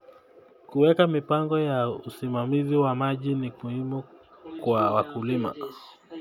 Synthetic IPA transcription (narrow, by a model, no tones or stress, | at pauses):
kuwɛkamipaŋɡɔjausimamiziwamaʄinimuhimukwawakulima̰